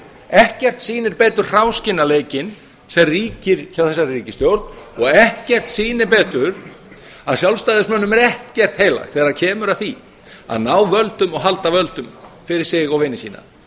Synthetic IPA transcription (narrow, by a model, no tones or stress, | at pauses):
ɛhcɛr̥t̪siːnɪɾpɛːt̪ʏɾ̥r̥awscɪnːaleːjcɪn | sɛmriːcɪɾ̥çawθɛsːariːcɪst̪jowɾt̪nɔɣɛhcɛr̥t̪siːnɪɾpɛːt̪ʏɾ̥ | aðsjawlst̪ajðɪsmœːnːʏmɛɾɛhcɛr̥t̪heːjla̰jxt̪θɛːɾaɾcʰɛːmʏɾaðθi | a̰ðnaːwvœlt̪ʏmɔɣɦalt̪avœlt̪ʏmfɪɾɪɾ̥sɪɣɔɣvɪnːɪsiːna̰